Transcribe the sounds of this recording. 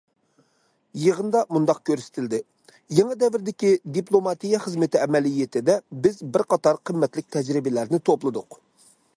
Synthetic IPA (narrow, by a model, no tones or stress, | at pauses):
jəʁənd̪ɑmund̪ɑq̚kʲʰøɾsɪ̥t̪ʰɪld̪ɪ | jeŋəd̪ɛvɪɾd̪ɪkʲid̪iplˠomɑt̪ijɑχəzmɪt̪ɪɛmɛlijet̪ʰɪd̪ɛbɪzbɪɾqɑt̪ɑɾqʰəmːɛt̪lɪkʲt̪ʰɛd͡ʒɾɪbɪlæɾnɪt̪ʰoplˠɨd̪ʊq